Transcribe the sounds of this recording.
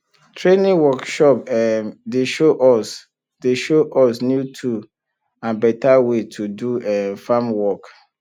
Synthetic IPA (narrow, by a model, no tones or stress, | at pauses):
tʰɹenĩwɔkʃɔpɛmdeʃoʔɔs | deʃoʔɔsnjutʰu | ãnbɛtawetʰuduɛmfamwɔk